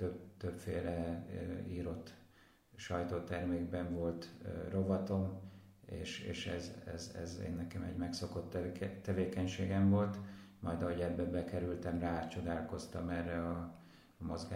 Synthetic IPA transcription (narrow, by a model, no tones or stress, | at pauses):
t̪øbt̪øpfeːlɛ | iːɾo̞t̪ː | ʃɒjt̪oːt̪ɛrmeːɡbɛɱvo̞lt̪ːro̞vɒt̪o̞m | ḛːʃḛːʃɛzɛ̰zɛ̰zḛːnːɛkɛmɛ̰ɟmɛksoko̞t̪ːɛt̪ːɛveːkɛɲʃeːɡɛɱvo̞lt̪mɒjd̪ɒɦo̞ɟɛbːɛbɛkɛɾylt̪ɛmraːt͡ʃo̞d̪aːlko̞st̪ɒmɛrːɛɒ | mo̞zɡa